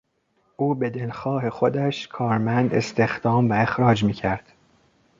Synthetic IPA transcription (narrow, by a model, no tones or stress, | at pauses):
ʔuːbe̞d̪elxɒːɦe̞xod̪æʃkʰɒːɾmænd̪e̞st̪e̞xd̪̥ɒːmvæe̞xɾɒːd͡ʒmiːcʰæɾd̪̥